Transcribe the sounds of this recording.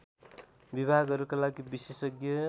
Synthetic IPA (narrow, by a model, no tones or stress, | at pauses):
bibʱaɡʌɾukalaɡibisesʌɡjʌ